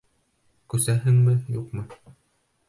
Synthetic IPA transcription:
kʉsæɦɘŋmɘjuqmɤ

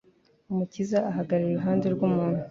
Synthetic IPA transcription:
umucizaːɦaɡaɾiɾeɾuɦaːnde̞ɾɡumuːn̥hu

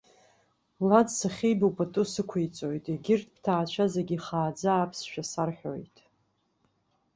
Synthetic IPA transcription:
lad͡zsaχʲejbwpʼatʼusɨkʷʰejt͡sʼojtʼeɡʲɪrtʰʼpʰtʰaːt͡ʃʷʰazeɡʲiχaːd͡zaːpʰsʃᶣasarħʷᶣo̰jtʼ

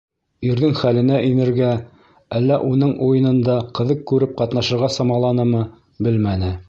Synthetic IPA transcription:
iɾðɘŋχælɘ̆næʔinɘ̆ɾɡæ | ælːæʔunɤɴujɤ̆nɤ̆nd̪ɑqɤ̆ðɤq̚kʉɾɘp̚qɑt̪nɑʃɤ̆ɾʁɑsɑmɑlˠɑnɤmɤ | bɘlmænɘ

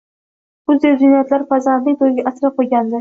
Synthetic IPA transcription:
bʊzd̪ewd͡ʒ̪ɪnajat̪laɾfazant̪nɪŋt̪ʰojɡʲɪʔasɾɪqojɡʲand̪ɪ

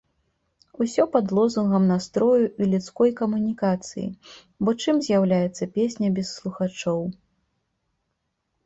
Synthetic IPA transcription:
usʲɔpad̪lˠɔzunɣɐmnast̪ɾɔjuilʲut̪skɔjkɐmunʲikat̪sɨ̰jḭ | bɔt͡ʂɨmzʲjawlʲajɛt̪sːɐpʲesʲnʲɐbʲɛsːlˠuxat͡ʂɔw

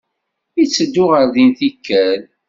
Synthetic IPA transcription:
jit͡sːəd̪ːʊʁəɾðinθikʰːæl

